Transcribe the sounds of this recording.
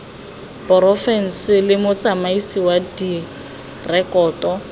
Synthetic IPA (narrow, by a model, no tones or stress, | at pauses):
pʼɔrɔfɛn̩sɪlɪmʊt͡sʼamaisiwadi | rɛkʼɔːtʼɔ